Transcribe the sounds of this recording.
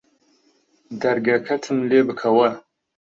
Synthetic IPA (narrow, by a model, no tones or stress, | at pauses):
dɐɾɡɐkʰɐtʰɨmleːbɨkʰɐwɐ